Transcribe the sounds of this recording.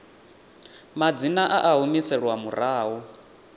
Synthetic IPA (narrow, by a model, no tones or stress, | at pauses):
mad͡zinaʔaʔaɦumisɛɺwamuɾaːɦɔ